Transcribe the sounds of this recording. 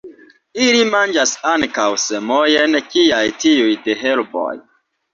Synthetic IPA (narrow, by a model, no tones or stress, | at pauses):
ilimand͡ʒasaŋkawsemojenkiajtiujdeɦelbo̰j